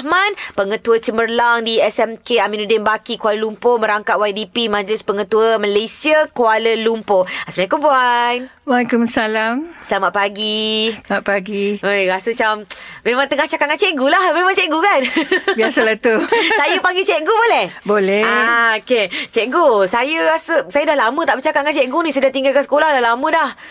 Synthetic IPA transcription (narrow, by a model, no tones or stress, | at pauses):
hmãnpəŋət̪uət͡ʃəmərlaŋdiɛsɛmkeaminudɛnbakikwaləlumpoməɾaŋkaʔ̪̚wajdipimãd͡ʒlɪspəŋə̃t̪uəməlesiəkualəlumpoasmãkumbuanwalkumsalamsəlamat̪̚paɡimaʔ̚paɡiojɾasət͡ʃammẽmãŋt̪əŋaht͡ʃakaʔŋant͡ʃɛʔɡulahmẽmãŋt͡ʃɛʔɡukanbiasəlaht̪usajəpaŋɡit͡ʃɛʔɡubolɛhbolɛaoket͡ʃɛʔɡusajəɾasəsajədahlamə̃t̪aʔbət͡ʃakaʔkant͡ʃɛʔɡunĩsədaht̪iŋɡalkasə̥kolahdahlamə̃dah